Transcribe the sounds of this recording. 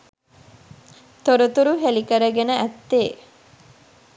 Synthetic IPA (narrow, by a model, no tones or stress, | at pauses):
t̪oɾut̪uɾuɦelikəɾəɡenəʔæt̪ːeː